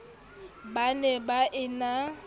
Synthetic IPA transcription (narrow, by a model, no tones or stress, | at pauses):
banɛbaʔɪna